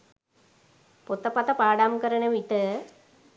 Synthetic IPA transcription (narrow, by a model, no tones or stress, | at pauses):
pot̪ːɐpɐt̪ɐpaːɽaːmkɐɾɐɳɐʋiʈ̪ːɨ